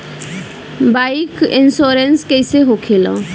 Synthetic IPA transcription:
bajkinsoɾenskejseɦokʰelɔ̰

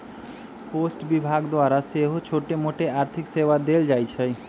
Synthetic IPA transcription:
posʈbibʱaɡd̪oaɾaseɦot͡ɕʰoʈemoʈeaɾt̪ʰiksewad̪eld͡ʑajt͡ɕʰej

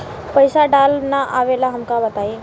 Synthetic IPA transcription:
pəjsaɖalnaʔaʋelaɦəmkabət̪ai

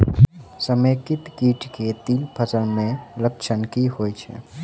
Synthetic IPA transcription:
səmekɪt̪kiːʈket̪ilpʰəsəlmẽlək̚t͡ʃʰənkihoːjt͡ʃʰɛ̰

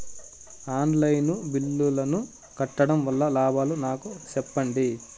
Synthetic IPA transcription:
aːnlɐjnubilːulɐnu | kɐʈːɐɽɐmʋɐlːɐlaːbʱaːlunaːkut͡ʃɛpːɐɳɖi

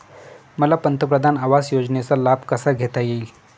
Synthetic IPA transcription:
məlapənt̪əpɾəd̪ʱanaʋasjod͡znet͡salab̚ʱkəsaɡʱet̪ajeil

